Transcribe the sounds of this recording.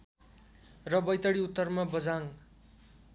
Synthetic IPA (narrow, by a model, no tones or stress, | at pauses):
rʌbʌjt̪ʌɽiut̪ːʌrmabʌd͡zaŋ